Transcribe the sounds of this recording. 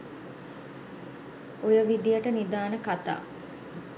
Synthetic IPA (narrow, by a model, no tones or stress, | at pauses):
ojəʋid̪ijəʈənid̪aːnəkat̪a̰ː